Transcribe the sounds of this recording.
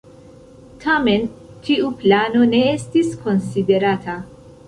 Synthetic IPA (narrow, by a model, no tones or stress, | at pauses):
tʰame̞n | tiuplano̞ne̞estisko̞nside̞ɾatʰa